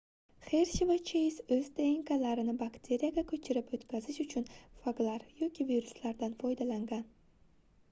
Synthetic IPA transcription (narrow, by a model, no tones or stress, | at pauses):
χe̞ɾʃevat͡ʃʰejsɵzt̪ʰeɪŋkalaɾɪnɪbakt̪ʰe̞ɾijaɡʲakʰɵt͡ʃʰɪɾɪpɵt̪kʲʰazɪʃʊt͡ʃʰʊnfaɡlaɾjɒkʲʰɪviɾʊslaɾd̪anfɒjd̪alaŋɡʲan